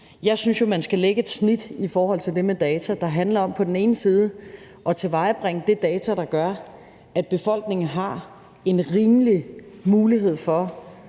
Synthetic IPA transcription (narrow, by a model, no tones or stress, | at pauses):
jɑ̈ɪsynsjo̝mænsɡ̥æleɡ̥əed̥snid̥ifɒːhɒ̽l̰t͡sʰe̝ld̥e̝med̥ɛːt͡sʰæd̥ɑ̈ɦænlɐɒ̽m̰pʰɒ̽d̥en̩e̝ːn̩siːð̞ˠə | ʔɒ̽t͡sʰe̝ʋɑ̈ɪb̥ʁeŋəd̥e̝d̥ɛːt͡sʰæɾ̥ɑ̈ɡ̥ɶɐ | æd̥̚b̥e̝fɒ̽l̰ɡ̥ne̝ŋn̩ɦɑ̈ | e̝nʁiːmlimuːliɦe̝ð̞̰ˠfɒ̽